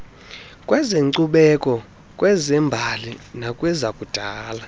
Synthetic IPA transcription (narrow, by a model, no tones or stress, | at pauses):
kʼwɛzeŋǀuɓɛkʼɔ | kʼwɛzɛmbʱalinakʼwɛzakʼud̥ʱaːla